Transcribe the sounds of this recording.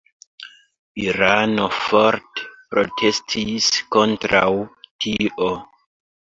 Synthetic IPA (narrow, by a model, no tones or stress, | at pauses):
iɾanofoɾtpɾo̰tʰestʰiskontɾa̰wtʰiʔo